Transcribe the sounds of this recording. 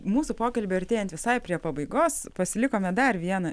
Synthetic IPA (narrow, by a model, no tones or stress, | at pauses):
muːsupoːkɐlʲbʲɪɐɾʲt̪ʲeːjɛnt̪ʋʲɪsɐɪpʲɾʲiɛpɐbɐɪɡoːspɐsʲɪlʲɪkoːmʲɛd̪ɐrʋʲiɛnɐ